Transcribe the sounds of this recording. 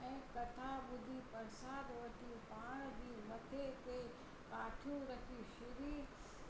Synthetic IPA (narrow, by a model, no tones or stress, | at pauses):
ɛ̃ːkɐt̪ʰaɓʊd̪ʱipɐɾsaːd̪ʋoːʈipaːɽ̃d̪iːmɐt̪ʰet̪eː | kaːʈʰũɾɐkʰiʃɪɾiː